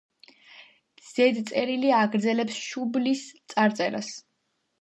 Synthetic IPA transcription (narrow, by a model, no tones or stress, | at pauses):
z̥ɛd̪t̪sʼɛɾiliaɡɾd̪zɛlɛpsʃublist̪sʼaɾt̪sʼɛɾa̰s